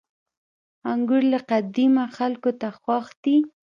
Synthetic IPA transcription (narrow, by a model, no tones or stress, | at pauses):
aŋɡʊɾlaqad̪ɪmaxalkot̪axwaxd̪i